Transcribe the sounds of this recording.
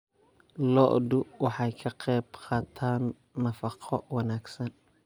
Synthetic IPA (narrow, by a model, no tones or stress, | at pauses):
lɔʔd̪ʊwɑħɑjkʰɐqɛjbqʰɑːt̪ʰaːnː | ɐfɑqʰɔwɑnaːɡsɐn